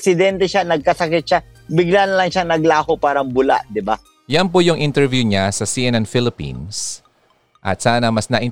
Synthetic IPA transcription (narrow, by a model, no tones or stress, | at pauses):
sɪd̪ɛnt̪ɛʃanɐɡ̚kɐsɐkɪt̪̚ʃa | bɪɡlanɐlɐŋʃaŋnɐɡlaːhopaːɾɐŋbʊla̰ʔd̪ɪba | jɐnp̬ojʊŋʔɪnt̪ɛɹvjuɲasɐsiʔɛnɛnfɪlɪpḭns | ʔɐ̰t̪̚saːnɐmɐsnɐʔɪ